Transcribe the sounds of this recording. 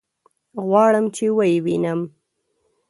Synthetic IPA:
ɣwɑɽəmt͡ʃewəjewinəm

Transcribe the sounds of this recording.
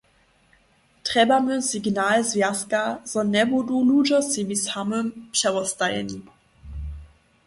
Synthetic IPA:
tʁ̥ɛbamøsiɡnaːlzvɛɐskaz̥ɔnɛbodulud͡ʒɔsivishamømpɕɛʁɔstajɛ̰ni

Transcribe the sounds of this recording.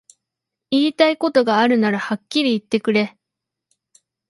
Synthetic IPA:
iːt̪aiko̞t̪o̞ɡaːɾɯ̟naɾahakʲːiɾʲiːt̪ːe̞kɯ̟ɾe̞

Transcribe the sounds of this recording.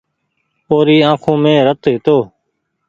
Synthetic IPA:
oːɾiːãːkʰõːmẽːɾət̪ɦɪt̪oː

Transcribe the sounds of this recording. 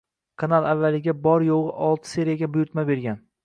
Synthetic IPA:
kʰanalˠavːalɪɡʲabɒɾjoʁɨʔɒlˠt̪ʰɪ̥se̞ɾijaɡʲabʊjʊɾt̪mabe̞ɾɡʲan

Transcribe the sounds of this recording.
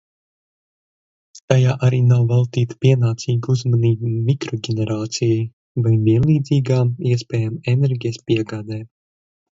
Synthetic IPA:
t̪ajaːʔaɾiːnawvalˠt̪iːt̪piɛnaːt̪siːɡuzmaniːbmʲikɾɔɡʲɛnɛɾaːt̪sijaj | vajviɛnlˠiːd̪ziːɡaːmiɛspʲɛːjamɛnɛɾɡʲijɛspiɛɡaːd̪ɛː

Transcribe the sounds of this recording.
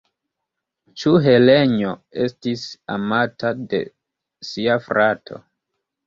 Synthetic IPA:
t͡ʃuɦe̞leɲoe̞stisa̰matʰade̞̰ | siafɾatʰo̞̰

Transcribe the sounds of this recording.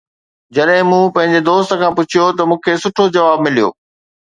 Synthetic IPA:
d͡ʑɐɗɦɪ̃mũːpɐ̃ɦɪ̃ɲd͡ʑed̪oːst̪ə̆kʰãːpʊt͡ɕʰijot̪ɐmũːkʰeːsʊʈʰod͡ʑɐʋaːbmɪlijo̰ː

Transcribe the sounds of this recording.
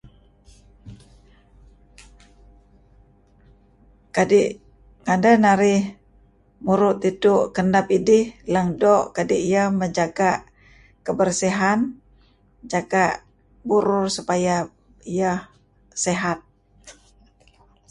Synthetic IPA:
kadiʔ | kandənaɾɪh | muɾʊt̪itʊʔkənapidɪhləŋdɔʔkadiʔijaməɲd͡ʒaɡa | kəbərsiɦan | d͡ʒaɡa | buɾʊrsupaja | ijah | seɦat̪̚

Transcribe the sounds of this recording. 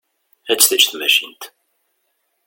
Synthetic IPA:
æt͡sːθæt͡ʃθmæʃint̪

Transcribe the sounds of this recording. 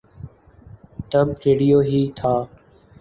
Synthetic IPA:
t̪əbɾeːɽijoːɦiːt̪ʰaː

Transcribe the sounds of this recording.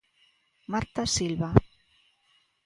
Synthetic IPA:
maɾt̪asilβa

